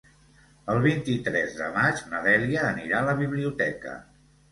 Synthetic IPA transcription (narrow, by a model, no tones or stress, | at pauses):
əlˠβ̞int̪it̪ɾɛzðə̰mad͡ʒnəðɛliəːniɾaləβiβliut̪ɛ̰kə̰